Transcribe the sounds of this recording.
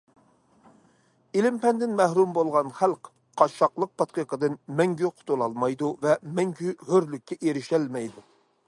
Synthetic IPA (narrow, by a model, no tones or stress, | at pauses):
ilɪmpɛnd̪ɪnmɛhɾumbolˠʁɑnχælq | qʰɑʃɑqlˠəq̚pʰɑt̪̚qiqəd̪ɨnmɛŋɡʲyqʰʊ̥t̪ʰolˠɑlˠmɑjd̪uvɛmɛŋɡʲyhøɾlykʲːɛʔeɾɪʃɛlmɛjd̪u